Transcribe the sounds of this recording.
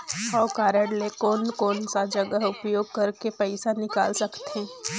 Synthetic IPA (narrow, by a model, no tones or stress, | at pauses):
ɔːkaːɾəɽlekɔːnkɔːnsad͡ʒɐɡəɦʊpjoːɡ̚kɐɾkepɐɪsanɪka̰ːlsɐkt̪eẽː